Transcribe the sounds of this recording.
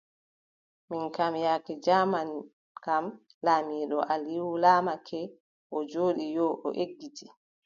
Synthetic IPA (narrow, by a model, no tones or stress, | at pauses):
minkamjakid͡ʒaːman | kam | laːmiːɗɔʔaliwulaːmakʰɛ | ʔɔd͡ʒoːɗijɔʔɔ̰ʔeɡːiti